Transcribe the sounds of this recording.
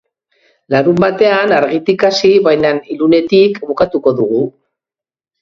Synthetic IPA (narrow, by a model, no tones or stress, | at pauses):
laɾumbat̪e̞anaɾɣit̪ikasiβajnanilune̞t̪ikβukat̪uko̞ðuɣ̞u